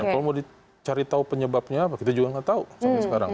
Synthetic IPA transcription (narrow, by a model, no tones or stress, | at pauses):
akalomudi | t͡ʃaɾit̪aupəɲəbap̚ɲaːpakit̪ad͡ʒuɡaŋat̪ausamasəkaɾa̰ŋ